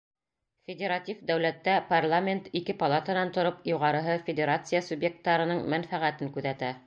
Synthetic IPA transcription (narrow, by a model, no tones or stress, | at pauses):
fʲɪdʲeɾat̪ʲifd̪æwlæt̪ːæparlˠamʲent̪ikɘpɐlˠat̪anɑnt̪ŏɾɤpjuʁɑɾɤ̆ɦɤfʲɪdʲeɾat̪sɨjasubje̞k̚t̪ːɑɾɤ̆nɤɴmænfæʁæt̪ɘŋkʉðæt̪æ